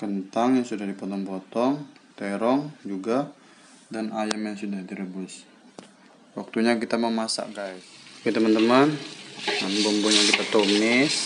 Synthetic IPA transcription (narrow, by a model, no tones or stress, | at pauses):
kənt̪aŋjaŋsudahdipɔt̪ɔŋpɔt̪ɔŋt̪ɛɾɔŋd͡ʒuɡa | danajamjaŋsudahdiɾəbʊs | wak̚t̪uɲakit̪aməmasa̰ʔɡajskit̪əmənt̪əmənambɔmbɔɲaŋkit̪at̪omɪs